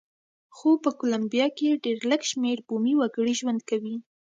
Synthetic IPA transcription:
xopəkolambijɑkeɖeɾləɡʃmeɾbumiwaɡəɽiʒwand̪kawi

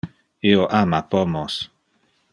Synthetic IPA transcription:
eoʔamapomos

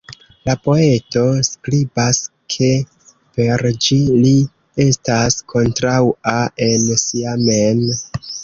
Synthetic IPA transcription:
lapo̞e̞to̞skɾibas | kʰe̞ | pe̞ɾd͡ʒili | e̞staskʰo̞ntɾawae̞nsiamen

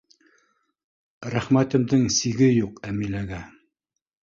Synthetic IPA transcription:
ɾæχmæt̪ɘ̆md̪ɘŋsiɡɘjuqæmilæɡæ

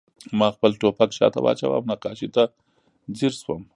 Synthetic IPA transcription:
mɑxpəlʈopakʃɑ̰t̪awɑ̰t͡ʃa̰wa̰mnaqɑʃit̪a | ziɾswəm

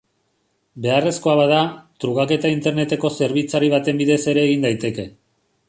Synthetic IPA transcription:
be̞are̞sko̞aβaðat̪ɾuɣake̞t̪aint̪e̞ɾne̞t̪e̞ko̞se̞ɾβit͡saɾiβ̞at̪e̞mbiðe̞se̞ɾe̞ːɣind̪ajt̪e̞ke̞

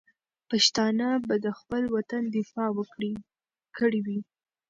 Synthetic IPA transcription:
paʃt̪ɑnabad̪əxpəlwat̪and̪ɪfɑwəkɽi | kʰəɽiwi

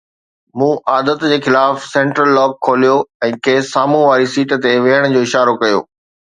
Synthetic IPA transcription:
mũːʔaːd̪ət̪d͡ʑeːxɪlaːfsɛ̃ːɳʈɾəlːɔːɡ̚kʰːoːlijoɛ̃ːkeːsːaːmũʋaːɾisiːʈt̪eʋeɦəɽ̃ʊ̆d͡ʑoːɪʃaːɾokɐjo̰ː

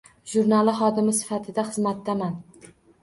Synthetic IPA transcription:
ʒuɾnalˠɪχɒd̪ɪmɪsɪ̥fat̪ʰɪd̪aχɨzmat̪ːaman

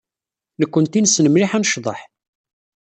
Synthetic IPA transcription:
nəkʷːənt̪insnəmliħænʃðˤə̰ħ

